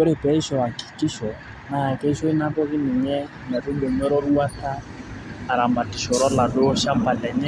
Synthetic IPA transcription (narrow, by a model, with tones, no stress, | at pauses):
ɔ˦ɾɛ˨pɛ˦i˦ʃɔ˨a˨ki̥˨ki˦ʃɔ˨ | na˨a˨kɛ˦i˦ʃɔ˦i˦na˦kɔ˦ki˦ni˨ɲɛ˦ | nɛ˨ɾu˦bɔ˨ɲɔ˦ɾɔ˦ɾu˦wa˦taː˦˨ | ɾa˨mba˨ti˨ʃɔ˨ɾɔ˦la˨ɗɔ˦ʃa˦mpa˨lɛ˨ɲɛ˦